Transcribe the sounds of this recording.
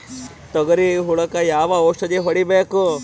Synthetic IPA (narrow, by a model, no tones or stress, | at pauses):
t̪ɐɡɐɾiɦuɭɐkɐjaːʋɐoːʂɐd͡ʒeɦɐɽibeːku